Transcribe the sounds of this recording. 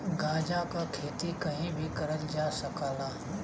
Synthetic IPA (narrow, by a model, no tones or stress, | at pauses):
ɡaːd͡ʒakakʰeːt̪ikɐɦĩbʱikɐɾəld͡ʒaːsɐkaːlaː